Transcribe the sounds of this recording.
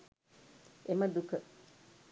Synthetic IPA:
emɐd̪ukə

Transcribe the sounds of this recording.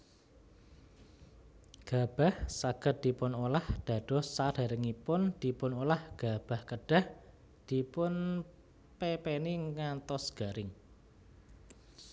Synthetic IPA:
ɡ̥a̤b̥a̤hsaɡ̥ə̤t̪̚d̪̥i̤pʊnolahd̪̥ä̤ɖ̥ɔ̤sad̥a̤ɾəŋipʊnd̪̥ipʊnolahɡ̥ab̥a̤hkəɖ̥a̤h | d̪̥i̤pʊn | pepeniŋant̪ɔsɡ̥a̤ɾɪŋ

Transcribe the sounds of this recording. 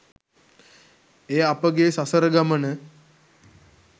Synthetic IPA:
eːapəɡesasəɾəɡamənə

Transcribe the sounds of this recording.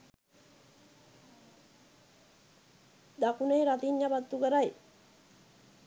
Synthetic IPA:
d̪akunejɾat̪iɲːabat̪ːuɡəɾaj

